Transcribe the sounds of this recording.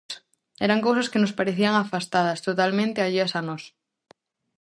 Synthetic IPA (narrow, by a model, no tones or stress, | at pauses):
ɛɾaŋkows̬ɐskenospaɾeθiaŋafast̪að̞ɐst̪ot̪almẽnt̪ɪaʎeɐsanɔs